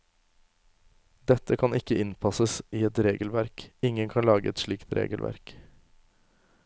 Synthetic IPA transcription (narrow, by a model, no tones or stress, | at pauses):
d̪ɛt̪əkʰɑnɪkəɪnpʰɑsəsiːɛt̪ɾeːɡəl̩ʋæɾkɪŋənkʰɑnlɑːɡəɛt̪ʃɭiːkt̪ɾʔḛːɡəlʋæ̰ɾk